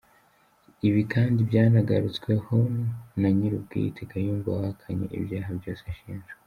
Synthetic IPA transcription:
iβikʰaːndibjaːnaɡaɾut͡swe̞ho̞naɲiɾub̚ɡḭːtʰeɡajuːɱva̰hakʰaɲe̞̰ʔḭbjaːɦabjo̞ːseʃiːnʒɡe

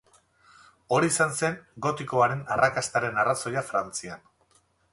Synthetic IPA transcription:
o̞ɾiːsanse̞ŋɡo̞t̪iko̞aɾe̞narakast̪aɾe̞naraso̞ʎafɾant͡sian

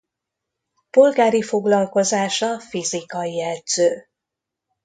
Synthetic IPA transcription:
po̞lɡaːɾifo̞ɡlɒlko̞zaːʃɒfizikɒjɛd̪z̥øː

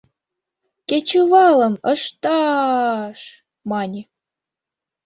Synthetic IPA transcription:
ket͡ɕuvɑlə̆məʃt̪ɑ | ʃ | mɑnʲi

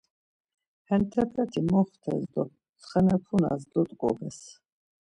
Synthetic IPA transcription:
hɛnt̪ʰɛpʰɛt̪ʰimɔχt̪ʰɛ̰zd̪ɔ | sχɛnɛpʰuna̰zd̪ɔt̪ʼkʼɔ̰bɛs

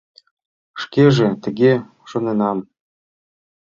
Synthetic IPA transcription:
ʃkeʒĕt̪ə̆ɣe | ʃŏnenɑm

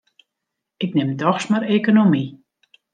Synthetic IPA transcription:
ɪknɪmdɔxsmaɾeːkonomi

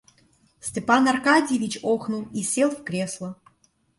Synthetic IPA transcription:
sʲtʲepanarkadʲɪjevʲit͡ɕoxnulˠisʲelˠfkɾʲeslˠə

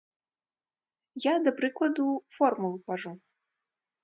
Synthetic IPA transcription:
jad̪ɐpɾɨklˠɐd̪ufɔrmulˠupaʐu

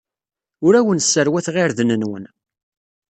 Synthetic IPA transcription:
ʊɾæwənsːəɾwæθʁiɾðnənwə̰n

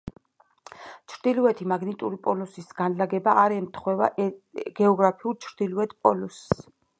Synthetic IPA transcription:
t͡ʃʰɾd̪iluɛt̪ʰimaɡnit̪ʼuɾipʼɔlusisɡanlaɡɛbaːɾɛmt̪ʰχwɛva̰ʔɡ̥ɛɔɡɾapʰiuɾt͡ʃʰɾd̪iluɛt̪ʰpʼɔlus

